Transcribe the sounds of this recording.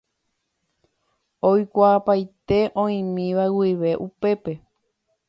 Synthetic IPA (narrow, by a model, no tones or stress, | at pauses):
ojkʷaːpajt̪e̞ʔõ̞ĩmĩʋawiʋe̞ʔupe̞pe̞